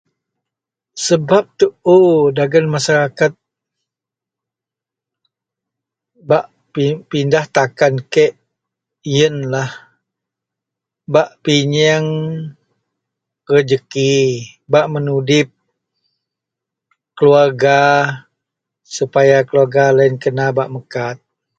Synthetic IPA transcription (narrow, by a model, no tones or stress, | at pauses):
səbap̚t̪əodaɡənmasaɾakat̪̚ | baʔ | pipindaht̪akankɛʔ | jənlah | baʔpiɲəŋ | kəd͡ʒəkibaʔmənudɪp̚ | kəluarɡa | supajakəluarɡalaɪnkənabaʔməkat̪̚